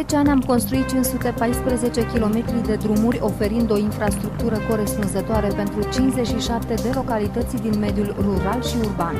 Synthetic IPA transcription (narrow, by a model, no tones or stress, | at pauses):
et͡ʃeanʲamko̞nst̪ɾuit̪̚t͡ʃinsut̪e̞pajspɾeze̞t͡ʃe̞kʲilo̞met̪ɾid̪e̞d̪ɾumurʲo̞fe̞ɾind̪o̞infɾast̪ɾuk̚t̪uɾəko̞ɾe̞spunzət̪oaɾe̞pe̞nt̪ɾut͡ʃint͡ʃze̞t͡ʃʃiʃap̚t̪e̞d̪e̞lo̞kalit̪ət̪sʲd̪inme̞d̪julruɾalʃiurban